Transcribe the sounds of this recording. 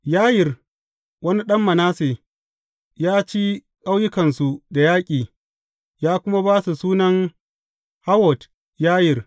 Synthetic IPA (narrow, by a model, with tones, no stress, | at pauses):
jaː˦jɪ˨r | wɐ˦ni˦ɗɐ˦mːɐ˨naː˦seː˨ | jaː˦t͡ʃi˦ | kʼa˦wjʊ˦kɐ˨nsu˨da˨jaː˦kʲʼiː˨ | jaː˦kʷʊ˦ma˦baː˦su˨suː˦nɐ˦ŋ | ha˦wɔ˨t | jaː˦jɪ˨r